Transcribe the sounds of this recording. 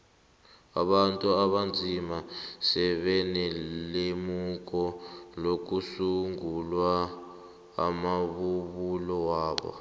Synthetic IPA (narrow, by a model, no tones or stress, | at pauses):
a̰ɓantʼuaβand͡zʱimasɛβɛnɛlemuk̬ʼɔlok̬usuŋɡulwa̰ː | maβuβulɔwaːɓɔ̰